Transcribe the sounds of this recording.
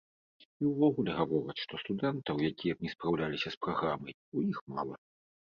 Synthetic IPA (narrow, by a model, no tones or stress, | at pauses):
iwvɔɣulʲɛɣavɔɾɐt͡sʂt̪ɔst̪ud̪ɛnt̪ɐwjakʲijɐknʲɛspɾawlʲalʲisʲɐspɾaɣɾamɐj | ujixma̰lˠɐ